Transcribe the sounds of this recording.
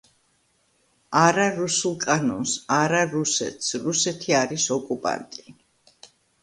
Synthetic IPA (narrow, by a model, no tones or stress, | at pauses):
aɾaɾusulˠkʼanɔnsaɾaɾusɛ̰t̪ʰsɾusɛt̪ʰiaɾisɔkʼupʼa̰nt̪ʼi